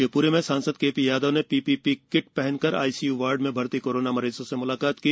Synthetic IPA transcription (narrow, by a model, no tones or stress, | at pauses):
epuːɾemẽsaːnsəd̪̚keːpijaːd̪onepiːpipikɪʈ̚pɛɦɛnkɐɾa̰ːisijuːʋaːɾɖmẽbʱɐɾt̪ikoːɾoːnamɐɾeːzõsemʊlaːkaːt̪kiː